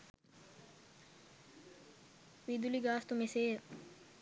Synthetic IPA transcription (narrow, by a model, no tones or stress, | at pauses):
ʋid̪uliɡaːst̪umeseːə